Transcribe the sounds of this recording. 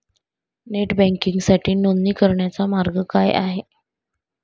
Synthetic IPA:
neʈbɛ̃ŋkiŋɡsaʈʰiːnonːiːkəɾɳjat͡samaɾɡəkaja̰ɦe

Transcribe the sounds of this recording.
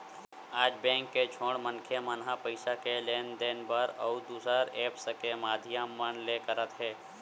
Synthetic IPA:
aːd͡ʒbɛ̃ːŋkːet͡ʃʰõːɽmənkʰjemənɦapəɪʃakeleːnd̪eːnbəɾɔːd̪uːsɾəɾeːpsəkemaːd̪ʱijammənlekəɾət̪ɦɛː

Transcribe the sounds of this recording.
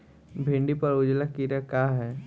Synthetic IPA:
bʱɪ̃ɳɖipɐɾʊd͡ʒlakiɾakaːɦɛː

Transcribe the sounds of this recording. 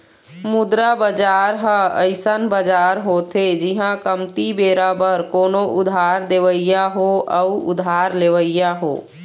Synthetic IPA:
mʊd̪ɾabəd͡ʒaːɾɦəəɪsənbəd͡ʒaːɾɦot̪ʰed͡ʒɪɦãkəmt̪ibeːɾabəɾkoːnoʔʊd̪ʱaːɾd̪eːʋəɪjaɦoəʊʊ̰d̪ʱaːɾleːʋəɪjaɦo̰ː

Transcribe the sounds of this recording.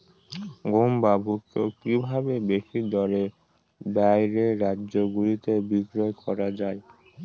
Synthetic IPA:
ɡombabʱukt̪ːokibʱabebeʃid̪ɔɾe | bajɾeɾadʑoɡulit̪ebikɾoekɔɾad͡ʑae

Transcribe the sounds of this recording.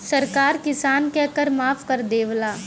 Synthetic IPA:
sɐɾkaːɾkɪsaːnkɛɦkəɾmaːfkɐɾd̪eːʋlaː

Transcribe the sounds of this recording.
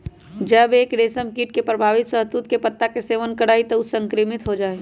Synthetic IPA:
d͡ʒəbeːkɖeːsəmkiːʈ̚kepɾəbʱaːʋɪt̪səɦt̪ut̪kepət̪ːakeseːʋənkəɽaːit̪ɔʊsə̃ŋkɾimɪt̪ɦod͡ʒaːe

